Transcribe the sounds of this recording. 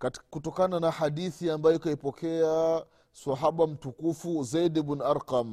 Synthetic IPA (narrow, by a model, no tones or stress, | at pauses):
kkutɔkananahaɗiθiambajɔikaipɔkɛa | swaɦaɓam̩tukufuzaidibnaɾqam